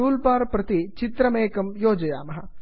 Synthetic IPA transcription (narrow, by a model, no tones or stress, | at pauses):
uːlpaːɾpɾɐt̪it͡ʃɪt̪ɾɐmeːkɐmjoːd͡ʒɐjaːmɐɦɐ